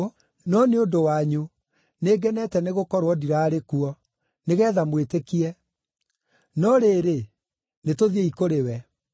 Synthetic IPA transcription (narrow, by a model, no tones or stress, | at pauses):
nɔneodowaɲu | neɡɛnɛtɛneɣokɔɾwɔdiɾaːɾekuɔ | neɣɛːðamwetekiɛ | nɔɾeːɾe | netoðieikoɾewɛ